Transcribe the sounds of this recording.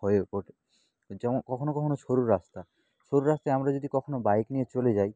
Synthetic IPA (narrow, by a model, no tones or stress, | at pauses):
ɦɔjokoʈʰe | d͡ʑɛmonkɔkʰonokɔkʰonoʃoɾuɾɾast̪a | ʃoɾuɾast̪ajamɾad͡ʑod̪ikɔkʰonobajknijet͡ɕoled͡ʑaj